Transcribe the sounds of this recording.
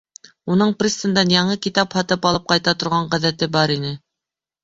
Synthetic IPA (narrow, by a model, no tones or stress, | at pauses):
unɤɴprʲist̪ə̆nd̪ɑnjɑɴɤkit̪ɑphɑt̪ɤpɑlˠɤp̚qɑjt̪ɑt̪ŏɾʁɑɴʁæðæt̪ɘbɑɾinɘ